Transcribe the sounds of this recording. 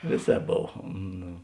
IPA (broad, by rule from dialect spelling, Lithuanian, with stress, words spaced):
ˈʋʲeːˌsʲɛːp ˈboːw ˈnoː